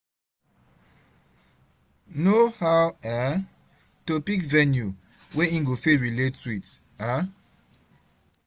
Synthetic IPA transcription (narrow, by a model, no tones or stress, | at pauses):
nohawɛ | topikvɛnju | weĩŋɡofeɹiletːuit | a